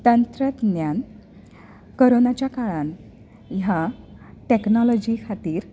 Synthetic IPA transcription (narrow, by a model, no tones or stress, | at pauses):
t̪ənt̪ɾət̪njan | kəɾonat͡ɕjakaɭan | jaʈeknɔlɔd͡ʑikʰat̪iːɾ